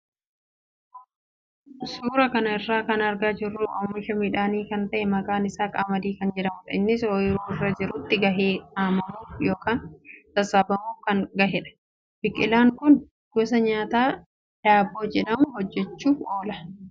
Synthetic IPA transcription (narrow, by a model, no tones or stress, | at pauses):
suːɾɐkɐnɐɪrːaːkɐnɐɾɡaːd͡ʒɪrːuːʔɐːmːɪʃɐmɪᶑaːniːkɐnt̪ɐʔɛmɐkʼaːnɪsaːkʼa̰mɐd̪iːkɐnd͡ʒɛᶑɐmʊt̪ɐɪnːɪsoːjɪɾuːɪrːad͡ʒɪɾʊt̪ːɪɡɐɦeːaːmɐmuːjo̞ːkaːnt̪ɐsɐbɐmuːfkɐnɡɐɦɛᶑɐ̥ | b̥ɪkʼːɪlaːŋkʊn | ɡ̥ʊs̬ɐɲaːt̪aː | d̥aːbːoːd͡ʒɛᶑɐmʊɦɔd͡ʒːɛt͡ʃːuːo̞ːlɐ